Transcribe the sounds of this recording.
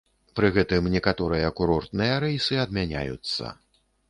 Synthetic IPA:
pɾɨɣɛt̪ɨmnʲɛkat̪ɔɾɨjɐːkuɾɔrt̪̚nɨjɐɾɛjsɨɐd̪̚mʲanʲa̰jṵt̪sːɐ̰

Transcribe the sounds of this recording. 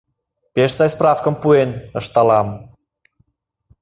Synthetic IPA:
pʲeʃsɑjsprɑfkəmpuenəʃt̪ɑlɑm

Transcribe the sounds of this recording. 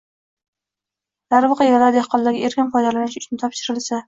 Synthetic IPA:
d̪̥aɾvɨqʰɑjeɾalaɾd̪ehqʰɒnˠd̪aɡʲɪeɾkʲɪnfɒjd̪alanɪʃʊ̥t͡ʃnɪt̪ʰɒpʃɪɾɪlsa

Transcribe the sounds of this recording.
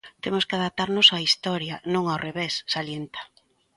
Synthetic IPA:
t̪emoskɪaðap̚t̪aɾnosaist̪ɔɾjanõŋawreβesːaljent̪ḁ

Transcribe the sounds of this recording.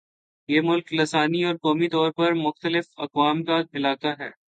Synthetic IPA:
jeːmʊlklɐsaːniɔːɾkɔːmit̪ɔːɾpɐɾmʊxt̪əlɪfɐ̰kwaːmkadɪlaːt̪aɦɛ̰ː

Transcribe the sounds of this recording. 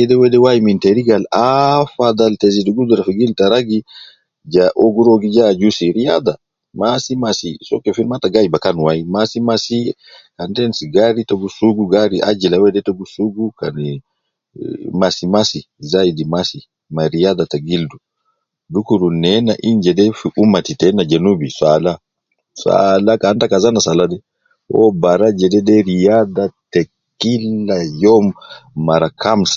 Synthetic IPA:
ɛdɛwɛdɛwajimintɛɾiɡalafad̪alteziduɡud̪uɾafiɡiltaɾaɡi | d͡ʒaʔoɡuɾoɡid͡ʒad͡ʒusiɾija̰d̪a | masimasisɔ̰kːɛfinmataɡajbakanwajimasimasi | kantɛnsiɡaɾitoɡusuɡuɡaɾiʔa̰d͡ʒilawɛdɛtoɡusuɡukan | masimasi | zaidimasi | maɾijad̪ataɡildu | dukuɾunɛnaʔind͡ʒɛdɛfiʔumatitɛnad͡ʒɛnubiswala | swa̰lakantakazanasaladɛ | ʔɔ̰baɾad͡ʒɛdɛdɛɾijad̪atɛ | kilːajɔmːaɾakʰamsḁ

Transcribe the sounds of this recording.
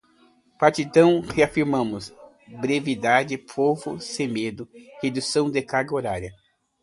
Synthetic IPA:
paɾt͡ʃit̪ɐ̃w̃heafiɾmɐ̃mʊs | bɾevid̪ad͡ʒɪpʰovʊ̰semed̪ʊhed̪usɐ̃w̃d̪ekaɡoɾaɾjɐ

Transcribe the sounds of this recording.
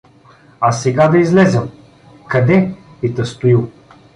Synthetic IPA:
asɛɡad̪ɐizlɛzɛm | kɐd̪ɛ | it̪ɐst̪ʊilˠ

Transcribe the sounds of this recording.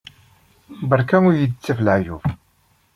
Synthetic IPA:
bəɾˤkænʊɾjəd̪t͡sːifləʕjṵf

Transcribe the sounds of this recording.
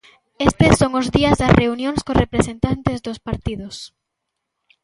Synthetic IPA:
est̪esːoŋʊzðiɐzðɐsreunjõŋskorʔepɾesent̪ant̪ezðospaɾt̪iðʊs

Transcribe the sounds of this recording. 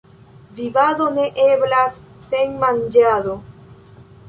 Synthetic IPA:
βiβaðoneʔeβlas | θeŋmãnd͡ʒaðo

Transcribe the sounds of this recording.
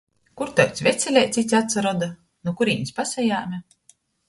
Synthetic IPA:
kuɾt̪awt̪svʲɛt̪sʲɛlʲɛjt̪sit̪ʲat̪saɾɔd̪a | nukuɾiːnispasɛjaːmʲa

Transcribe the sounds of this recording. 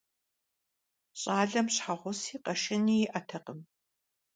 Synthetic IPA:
ɕʼaːɮɐmɕħaʁʷʊsiːqɐʃɪniːjɪʔɐtʰɐqəm

